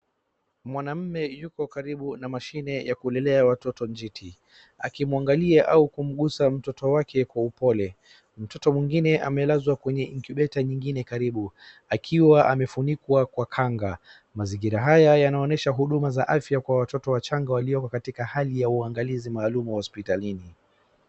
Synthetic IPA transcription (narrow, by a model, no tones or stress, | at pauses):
mwanam̩mɛjukɔkaɾiɓunamaʃinɛjakuɛlɛlɛawatɔtɔnd͡ʒitʰi | akimuaŋɡaliaʔaukum̩ɠusam̩tɔtɔwakʰɛkwaupɔlɛ | m̩tɔtɔmwiŋɡinɛʔamɛlazwakwɛɲɛiŋkuɓɛtaɲiŋɡinɛkaɾiɓu | akʰiwaʔamɛfunikwakwakʰaŋɡa | maziŋɡiɾaɦajajanaɔnɛʃaɦuɗumazaʔafjakwawatɔtɔwat͡ʃaŋɡawaliɔkɔkatikahalijauaŋɡalizimaːlumuhɔspitalini